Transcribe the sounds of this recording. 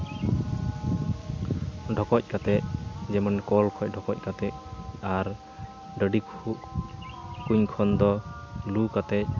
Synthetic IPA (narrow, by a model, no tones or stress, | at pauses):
ɖʱɔkɔc̚ˀkat̪ɛc̚d͡ʒɛmɔnkɔlkʰɔc̚ˀɖʱɔkɔc̚ˀkat̪ɛc̚aɾ | ɖəɖikʰuʔ | kuɲkʰɔnd̪ɔ | lukat̪ɛc̚